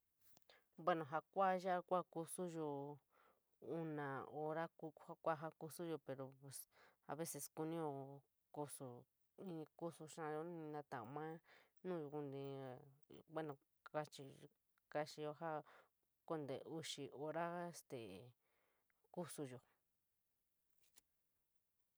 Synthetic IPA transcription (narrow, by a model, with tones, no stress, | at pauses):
bwe˦nõ˨ɦa˧kʷa˦ʒa˦kʷa˦ku˧su˦ʒo˧ | u˦nã˨o˧ɾa˦ku˧˦ha˦kʷa˦ɦa˧ku˧su˦ʒo˧pe˧ɾo˨pe˨sa̰˧βe˦se˧sku˧nĩ˦jo˧ | ku˧su˧ | ĩ˧ku˦su˧ʃã˦˧jo˧˦ĩ˧nã˧t̪ã˨mã˦nũː˦˧ju˧ku˧nd̪ĩ˧˨˧kʷe˦nõ˧ | ka˦t͡ʃi˧ | ka˧ʃi˧jo˧ɦa˦ | ko˦nd̪ḛ˨u˧ʃi˧o˧ɾa˦e˧st̪ḛ˨ | ku˦su˧jo˨